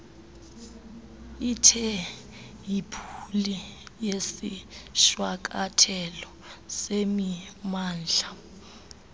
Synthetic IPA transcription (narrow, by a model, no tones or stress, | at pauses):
itʰɛ | jipʰulijesiʃwak̬ʼatʰɛlɔ | semimaːnd͡ɮʱa